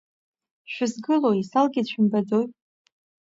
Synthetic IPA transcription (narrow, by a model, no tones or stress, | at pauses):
ʃᶣʊzɡɨloisalɡʲɪdt͡ɕʷᶣʰʊmbad͡zoj